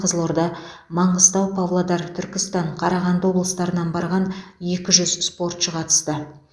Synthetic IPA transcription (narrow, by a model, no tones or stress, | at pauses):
qʰəzəlˠoɾd̪ɑ | mɑɴʁəst̪ɑwpʰɑvlˠod̪ɑɾt̪ʰʏɾkʲɪst̪ɑɴqʰɑɾɑʁɑnd̪əwo̞blˠəst̪ɑɾənɑnbɑɾʁɑnje̞kʲɪʒʏzspo̞rt̪ʃəqʰɑt̪ə̥st̪ə